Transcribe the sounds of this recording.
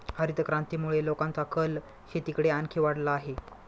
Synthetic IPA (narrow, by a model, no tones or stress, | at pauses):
həɾit̪kɾãnt̪iːmuɭelokãnt͡sakʰəl | ɕet̪ikɽeankʰiʋaɽlaːɦe